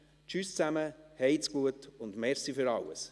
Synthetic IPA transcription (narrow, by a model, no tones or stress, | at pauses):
t͡ʃyst͡sæməhɛjt͡skuətʊndmɛɾsifʏɾɑwə̰s